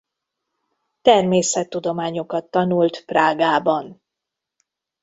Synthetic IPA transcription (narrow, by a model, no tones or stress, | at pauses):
t̪ɛrmeːsɛt̪ːud̪o̞maːɲo̞kɒt̪ːɒnult̪praːɡaːbɒn